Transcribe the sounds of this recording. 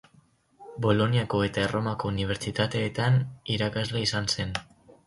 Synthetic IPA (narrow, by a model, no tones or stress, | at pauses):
bo̞lo̞niako̞e̞t̪aero̞mako̞uniβ̞e̞ɾt͡ʃit̪at̪e̞ːt̪aniɾakazleisanse̞n